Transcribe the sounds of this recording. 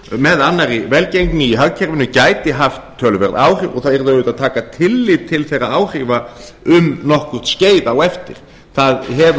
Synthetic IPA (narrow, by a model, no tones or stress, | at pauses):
mɛðanːaɾivɛlcejŋknɪiɦœɣcʰɛɾvʏɪnʏcaːjt̪ɪɦaft̪ʰːœːlʏvɛ̰ɾða̰ːwr̥iːvɔ̰ɣθaðɛɾðœʏt̪aðt̪ʰaːkat̪ʰɪlːivt̪ʰɪlθejraaːwr̥iva | ʏmnɔhkʏr̥t̪sceːjðawɛft̪ɪ̰ɾ̥ | θaðhɛv